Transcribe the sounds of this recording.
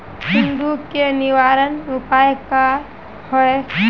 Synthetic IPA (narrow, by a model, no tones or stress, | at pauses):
ɦɪ̃nd̪ukenɪʋaːɾənʊpaːjka | hɔe